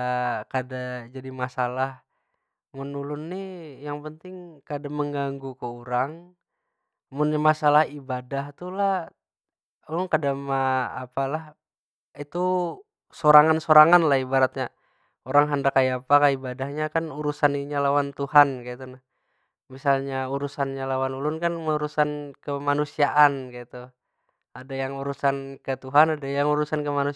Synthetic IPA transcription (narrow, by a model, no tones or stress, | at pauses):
kadad͡ʒadimasalah | munːulʊnːijaŋpənt̪ɪŋkadaməŋɡaŋɡukəuɾaŋ | mʊnɲamasalahibadaht̪ulah | ulʊŋkadamaːpalah | it̪u | soɾaŋansoɾaŋanlahibaɾat̪̚ɲa | oɾaŋɦandakajapakaibadahɲakanuɾusaniɲalawant̪uhankait̪una | misalɲauɾusanɲalawanulʊnkanməuɾusankəmanusiaʔankait̪u | adajaŋuɾusankət̪uɦanadajaŋuɾusankəmanu